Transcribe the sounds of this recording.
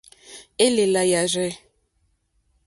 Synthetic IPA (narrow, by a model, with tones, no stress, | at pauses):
e˦lɪ˨la˨ja˨rɛ˦